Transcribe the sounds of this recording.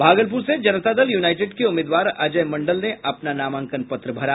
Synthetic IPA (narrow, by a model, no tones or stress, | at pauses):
bʱaːɡəlp̬uːɾsed͡ʒɐnət̪ad̪əljuːnaːɪʈeːɖkeʊmɪːd̪ʋaːɾɐd͡ʒəmɐ̃ɳɖəlneʔʔɐpnanaːmãːŋkənpɐt̪ɾəbʱɐɾa